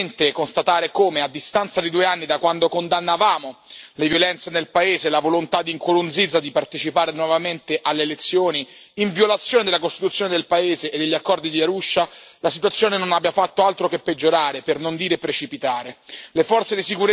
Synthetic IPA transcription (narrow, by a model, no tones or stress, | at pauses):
nt̪ekonst̪at̪aːɾekoːmead̪ːist̪ant̪sad̪id̪uːeanːid̪akwand̪okond̪anːavaːmolevjolɛnt̪senelpaeːzelavolont̪ad̪ːiŋkuɾund̪zid̪zːad̪ipart̪et͡ʃipaːɾenwɔvament̪eʔalːeːlet̪sːjoːniiɱvjolat̪sːjoːned̪elakost̪it̪ut̪sːjoːned̪elpaeːzeʔːd̪ːeʎːiakːɔrd̪id̪iaɾuʃːalasit̪wat̪sːjoːnenonabːjafat̪ːoalt̪ɾokepːed͡ʒːoɾaːɾepernond̪iːɾepːɾet͡ʃipit̪aːɾelefɔrt̪sed̪isikuɾ